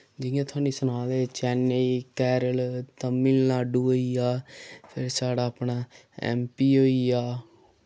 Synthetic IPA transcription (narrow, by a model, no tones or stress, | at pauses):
d͡ʒɪjãːt̪ʰʊaːnĩːsʊnaːleːt͡ʃɛːnːeikɛːɾəlt̪əmːiːlnaːɖuːoːiaːpʰɪɾsaːɽaːəpnaː | ɛ̰ːmpiːɦoːiaː